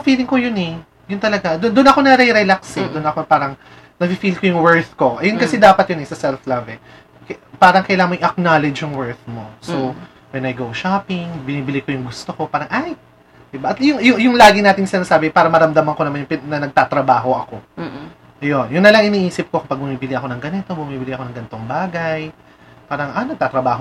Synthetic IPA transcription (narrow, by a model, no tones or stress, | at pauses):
fiːlɪŋkojʊnɛ | jʊnt̪ɐlɐɡad̪ʊd̪ʊnɐko̞nɐɾɛɾɛlaksɛd̪ʊnʔɐkopaːɾɐŋ | nɐfifilkojʊŋwɛɹθko̞ʔɐjonkɐsɛd̪aːpɐt̪̚jʊnɛsɐsɛlflɐvɛ | kɐpaːɾɐŋkɐjlaːoŋʔɪʔɐk̚naːlɛd͡ʒjʊŋwɛɹθmo̞so | wɛnɐjɡowʃaːpɪŋbɪniːbɪlɪko̞jʊŋɡʊst̪oko̞paːɾɐŋʔaj | d̪̥ɪbaʔɐt̪jʊŋjʊjʊŋlaːɡɪnaːt̪ɪŋsɪnaːsaːbɪpaːɾɐmɐɾɐmd̪ɐmɐŋko̞nɐmanjʊŋpnɐnɐɡ̚t̪at̪ɾɐbaːɦo̞ʔɐko̞ | ʔɐjo̞njʊnːɐlɐŋʔɪniːʔiːsɪp̚ko̞kɐpɐɡ̚bʊmiːbɪlɪɐko̞nɐŋɡɐnɪt̪o̞bʊmiːbɪlɪʔɐko̞nɐŋɡɐnt̪o̞ŋbaːɡɐj | paːɾɐŋʔɐnɐɡ̚t̪aːt̪ɾɐbaːɦo